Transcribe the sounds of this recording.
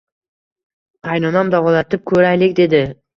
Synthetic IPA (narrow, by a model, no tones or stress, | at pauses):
ɑjnonamd̪ɑvɑlˠɑt̪ɪp̚kʰʲɵɾajlek̚ʲd̪e̞d̪ɪ